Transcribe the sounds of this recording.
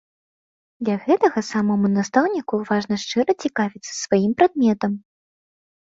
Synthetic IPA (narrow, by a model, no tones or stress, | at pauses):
d̪lʲaɣɛt̪ɐɣɐsamɔmunast̪awnʲikuvaʐnɐʂt͡ʂɨɾɐt͡sʲikavʲit̪sːɐ̥svajimpɾad̪̚mʲɛt̪ɐm